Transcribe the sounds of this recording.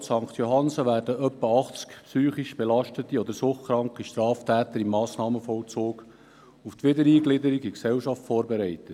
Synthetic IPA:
sɑŋkt̪jɔɦɑnsəʋæːrdəʔœpːəɑχt͡skpsyːχiʃb̥ɛlɑʃtət̪iɔd̪əɾsʊχtχɾɑŋkχiʃt̪ɾɑːft̪ʰæːt̪əɾimːɑːsnɑːməfɔlt͡soːk | uft̪ʋɪdəɾiːɡlɪdəɾiɡiksɛlʃɑftfɔːɾbɛɾɛɪtət̪

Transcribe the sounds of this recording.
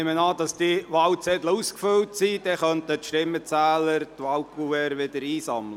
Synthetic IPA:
ɪmənɑːd̥ɑsd̥iʋɑwtsɛd̪ləuskføltsid̥ɛχœnt̪ətʃtɪmːət͡sæːləɾtʋɑʊkuɛɾʋɪdəɾiːsɑ̰mlə

